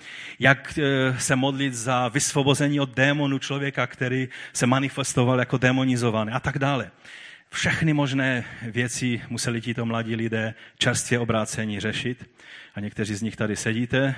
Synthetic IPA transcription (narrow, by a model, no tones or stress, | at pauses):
jaksɛmod̪lɪt̪zavɪsvobozɛɲiːod̪̚dːɛːmonut͡ʃlovjɛkakt̪ɛɾiːsɛmanɪfɛst̪ovaljakodɛmonɪzovanɛːʔat̪aɡdaːlɛ | fʃɛxnɪmoʒnɛːvjɛt͡sɪmusɛlɪcit̪o̞mlaɟiːlɪdɛːt͡ʃɛɾst̪vʲjɛobɾaːt͡sɛɲiːrɛʃɪt̪ʔaɲɛk̚t̪ɛriːzɲɪxt̪adɪsɛɟiːt̪ɛ